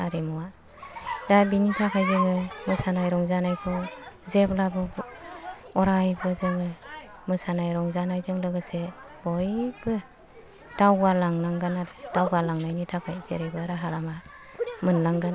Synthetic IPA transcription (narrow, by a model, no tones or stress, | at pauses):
aɾemɔwa | dabinitʰakʰajzɯŋɯmɯsanajɾɔŋzanajpʰɔzeplabɔ | ɔɾajbɯzɯŋɯ | mɯsanajɾɔŋzanajzɯŋlɯɡɯse | bɔjbɯ | d̥awɡalaŋlaŋɡanad̥awɡalaŋnajnitʰakʰajzḛɾejbɯɾaɦalama | mɯnlaŋɡan